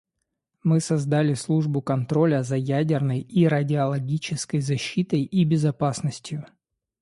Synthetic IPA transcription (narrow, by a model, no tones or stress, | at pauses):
mɨsɐzd̪alʲɪslˠuʐbʊkɐnt̪ɾo̞lʲəzɐjædʲɪrnəjiɾɐdʲɪɐlˠɐɡʲit͡ɕɪskəjzɐɕːit̪əjʔibʲɪzɐpasnəsʲtʲjʊ